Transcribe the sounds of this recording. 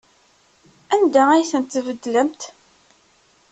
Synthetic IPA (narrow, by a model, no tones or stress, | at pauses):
ænd̪ææjθənt̪ːvəd̪ːləmt̪